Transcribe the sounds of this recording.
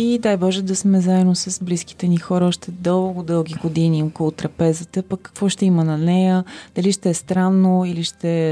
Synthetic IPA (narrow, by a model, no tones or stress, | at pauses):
id̪ajbɔʒɛd̪ɐsmɛzaɛnːosəsbliski̥t̪ɛnixɔɾəɔʃt̪ɛd̪ɤlˠɡod̪ɤlˠɡʲiɡod̪iniɔkolˠot̪ɾɐpɛzət̪əpəkːɐ̥kvɔʃt̪ɛimənɐnɛjəd̪̥ɐliʃt̪ɛːst̪ɾanːoiliʃt̪ɛ